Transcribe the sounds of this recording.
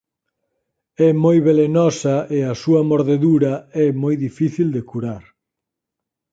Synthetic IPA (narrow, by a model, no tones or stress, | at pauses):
ɛmojβelenɔsɐʔeɐsuɐmoɾðeðuɾɐɛmojðifiθild̪ekuɾaɾ